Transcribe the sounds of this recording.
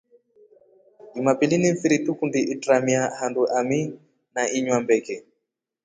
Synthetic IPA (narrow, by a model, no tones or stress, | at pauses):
imapilinifiɾitukundiʔitɾamiahanduʔami | naʔiɲwambɛkɛ